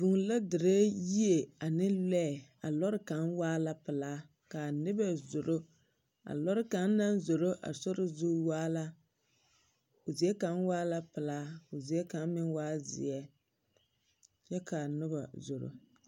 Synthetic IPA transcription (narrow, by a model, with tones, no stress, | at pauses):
bu˨ŋla˦dɪ˨ɾe˦ji˦e˨a˨nɪ˦lɛ˦˨a̰˨lɔ˦ɾɪ˦ka˨˦nwaː˦la˦pɪ˨laː˦ | ka˨nɪ˦bɛ˦zʊ˨ɾo˦ | a̰˨lɔ˦ɾɪ˦ka˨˦n˦na˦nzo˨ɾo˦ʔa̰˨sɔ˦ɾɪ˦zu˦waː˦la˦ | o˨zi˨ɛ˦ka˨˦nwaː˦la˦pɪ˨laː˦o˨zi˨˦ɛ˦ka˨˦n˦mɪ˦nwaː˦zɪ̰˨ɛ˦ | t͡ʃɛ˦kʰa˨nʊ˦ba˨zo˨ɾo̰˦